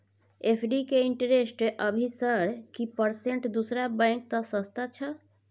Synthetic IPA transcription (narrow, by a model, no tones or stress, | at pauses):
epʰɖikeiɳʈɾesʈeʔəbʱisəɾkipəɾseɳʈd̪usɾabɛ̃ŋk̚t̪ɔsəst̪at͡ʃʰə